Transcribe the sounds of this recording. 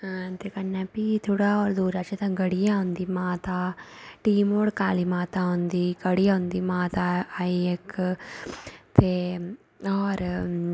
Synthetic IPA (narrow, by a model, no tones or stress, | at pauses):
at̪eːkənːaːpiːt̪ʰoːɽaːɔːɾd̪uːɾaːt͡ʃet̪ãːɡəɽijãːɦʊ̃nd̪iːmãːt̪aːʈiːmoːɽkaːliːmãːt̪ãːɦʊ̃nd̪iːkəɽijãːɦʊ̃nd̪iːmãːt̪aːiek | t̪eː | ɔːɾ